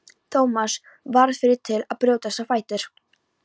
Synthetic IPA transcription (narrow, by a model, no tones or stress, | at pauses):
t̪ʰoːwmas | vaɾðfɪɾɪɾ̥t̪ʰɪlaðpɾjoːwt̪asafaːjt̪ɪɾ̥